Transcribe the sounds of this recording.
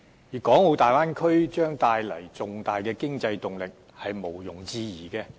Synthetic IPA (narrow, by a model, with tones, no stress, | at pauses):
jiː˨˩kɔː˨˥ŋo˨˧t̪aː˨jwaː˥nkʰɵ˥ɥt͡ʃœː˥ŋt̪aː˧jlɐ˨˩jt͡sʊ˨ŋt̪aː˨jkɛː˧kɪ˥ŋt͡sɐ˧jt̪ʊ˨ŋlɪ˨k̚ | hɐ˨jmo˨˩wjʊ˨˩ŋt͡siː˧jiː˨˩kɛː˧